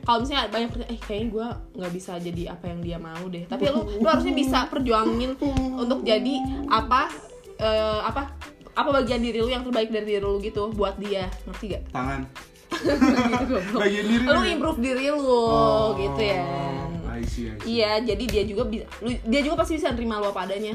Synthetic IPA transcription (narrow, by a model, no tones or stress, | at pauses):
kalomis̬aɲabaɲak̚əɲaʔɛhkajaɡuaŋɡaʔbisad͡ʒadiapajaŋdiamaudɛht̪apilʊluhaɾus̬ɲabisapərd͡ʒuaŋɪnunt̪ʊk̚d͡ʒadiʔapa | əːapaapabaɡiandiɾilujaŋt̪ərbaɪk̚daɾidiɾilʊɡit̪ubuat̪̚dianərt̪iŋɡaʔt̪aŋan | t̪uɡabaɡiandiɾiluimpɾʊp̚diɾilʊɡit̪uja | ijad͡ʒadidiad͡ʒuɡabi | ludiad͡ʒuɡapast̪ibisanəɾimaluapaːdaɲa